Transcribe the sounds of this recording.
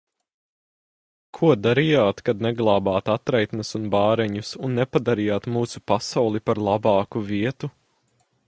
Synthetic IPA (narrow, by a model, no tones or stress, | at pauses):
kʰuɔd̪aɾijaːt̪kad̪nɛɡlˠɑːbɑːt̪at̪ɾɛjt̪nɐsunbɑːɾɛɲusunːɛpad̪aɾijaːt̪muːsupasawlˠipaɾlˠɑbɑːkuviɛt̪u